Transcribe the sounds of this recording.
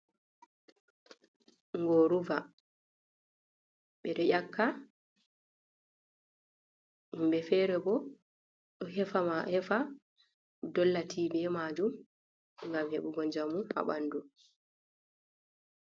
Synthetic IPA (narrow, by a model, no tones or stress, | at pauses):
ŋɡoɾuva | ɓɛɾɛʔakʰːa | imbɛfɛːɾɛbɔ | ɗɔɦɛfamahɛfa | dɔlːatʰiːbɛmad͡ʒum | ŋɡamhḛɓuɡɔɲd͡ʒamufa̰ɓandu